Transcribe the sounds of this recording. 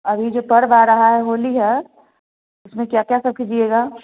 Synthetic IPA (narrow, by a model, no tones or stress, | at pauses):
ɐbʱid͡ʒoːpɐɾʋaːɾɐɦaɦɛɦoːliɦɛ | ʊsmẽkjakjasɐkʰid͡ʒieːɡaː